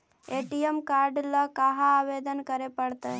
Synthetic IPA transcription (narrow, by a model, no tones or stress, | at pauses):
eʈijemkaɾɖləkaɦaːʋed̪ənkəɾepəɽt̪ə